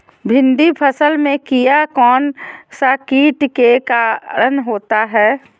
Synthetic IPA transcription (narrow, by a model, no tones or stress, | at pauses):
bʱɪ̃nd̪ipʰəsəlmẽkijakɔːnsakiːʈkekaɾənɦoːt̪aɦɛː